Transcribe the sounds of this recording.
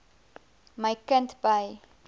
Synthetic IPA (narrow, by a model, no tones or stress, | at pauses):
məjkəntbɐj